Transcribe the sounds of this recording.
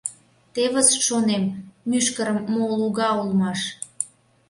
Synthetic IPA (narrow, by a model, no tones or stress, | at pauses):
t̪eβəsʃonemːyʃkəɾəmːoluɣɑulmɑʃ